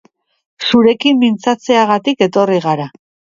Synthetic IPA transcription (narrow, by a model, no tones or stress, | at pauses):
suɾe̞kimbint͡sat͡se̞aɣ̞at̪ike̞t̪o̞riɣaɾa